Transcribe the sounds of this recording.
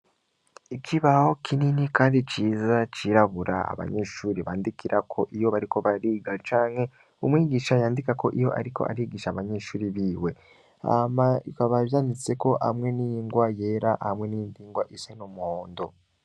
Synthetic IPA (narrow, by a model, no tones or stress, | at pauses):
ikʰiβaho̞kʰininikaːndit͡ʃiːzat͡ʃiɾaβuɾa̰a̰βa̰ɲe̞ʃuːɾiβa̰ːndikiɾakʰo̞ʔijo̞βaɾiko̞βaɾiːɡat͡ʃaːŋhe̞ | umwiːɡiːʃajaːndikako̞ʔijo̞̰ʔa̰ɾiko̞̰ʔa̰ɾiːɡiʃaːβaɲe̞ʃuːɾiβiːwe̞ | a̰maikaβaβjaːnit͡se̞ko̞ʔa̰mŋe̞nijiŋɡwaje̞ɾaʔhmwe̞nindiːŋɡwaʔisenomuoːndo̞